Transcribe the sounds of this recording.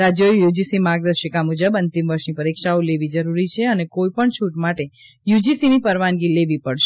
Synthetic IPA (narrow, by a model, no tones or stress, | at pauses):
ɾad͡ʒojjud͡ʒisimaɡ̚d̪əɾʃəkamud͡ʒəbənt̪imʋəɾʃnipəɾikʃaoleʋid͡ʒəɾuɾit͡ʃʰeənekoipəɳt͡ʃʰuʈmaʈe | jud͡ʒisinipəɾʋanɡileʋipəɽʃe